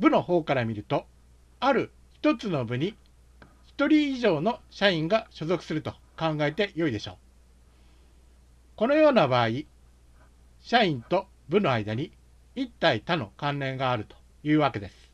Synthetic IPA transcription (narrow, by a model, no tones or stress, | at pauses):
bɯ̟no̞ho̞ːkaɾamʲiɾɯ̟t̪o̞ | aɾɯ̟ | çi̥t̪o̞t͡sɨno̞bɯ̟ɲ̟i | çi̥t̪o̞ɾʲiːʑo̞ːno̞ɕaĩŋɡaɕo̞zo̞kɯ̟̥sɨɾɯ̟t̪o̞ | kãŋɡae̞t̪e̞jo̞id̪e̞ɕo̞̰ː | ko̞no̞jo̞ːnabaːi | ɕaĩnt̪o̞ | bɯ̟no̞aid̪aɲ̟i | it̪ːait̪ano̞kãnɾẽ̞ŋɡaːɾɯ̟t̪o̥ | jɯ̟ːβake̞d̪e̞sɨ̥